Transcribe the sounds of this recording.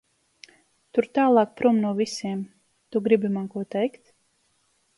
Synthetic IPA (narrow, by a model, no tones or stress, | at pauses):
t̪uɾt̪aːlˠɑːk̚pɾumnuɔvʲisʲiɛm | t̪uɡɾibʲimankuɔt̪ɛjkt̪